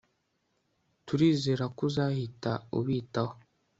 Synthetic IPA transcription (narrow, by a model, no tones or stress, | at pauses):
tuɾiːze̞ːɾakuzahitaṵβiːtaho